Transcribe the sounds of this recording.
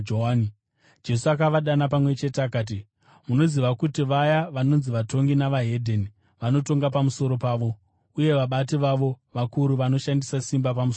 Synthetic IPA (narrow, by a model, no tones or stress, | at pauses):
oani | d͡ʒe̞suakaʋaɗanap̬amwe̞t͡ʃe̞teakaːt̬i | muno̞ziʋakutiʋajaʋano̞nziʋato̞ŋɡinaʋaɦe̞dʱeni | ʋano̞to̞ŋɡapamuso̞ɾo̞paːʋo̞ | uje̞ʋaɓat̬iʋaʋo̞ | ʋakuɾuʋano̞ʃandisasimbap̬amuso